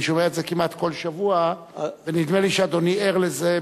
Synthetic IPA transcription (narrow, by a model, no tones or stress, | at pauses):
ʃomeetzekimat̪ko̞lʃavua | venid̪meliʃead̪o̞nieʁleze